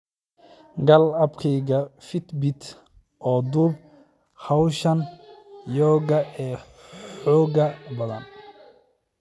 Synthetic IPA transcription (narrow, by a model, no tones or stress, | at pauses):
ɡɐlɐbkʰɛjɣɐfɪt̪bɪt̪ | ʔɔːd̪ub | hɐwʃɐnjɔːɣɐɛː | ħɔːɣɐbɐðɐ̰n